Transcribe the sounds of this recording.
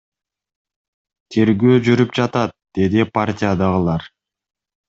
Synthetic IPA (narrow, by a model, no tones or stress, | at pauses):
t̪ʰe̞ɾɡøːd͡ʒyɾyp̚d͡ʒɑt̪ɑt̪̚d̪̥e̞d̪ipʰartʲɪjad̪ɑʁɯlˠɑɾ